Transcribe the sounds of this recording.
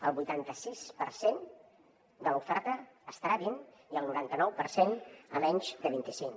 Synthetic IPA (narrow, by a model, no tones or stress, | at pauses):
əlˠβujt̪ant̪əsispəɾsen | d̪əlufɛɾt̪əːst̪ɾaβin | iəlˠnuɾant̪ənɔwpəɾsenə̰mɛɲʲd͡ʒðəβint̪isiŋ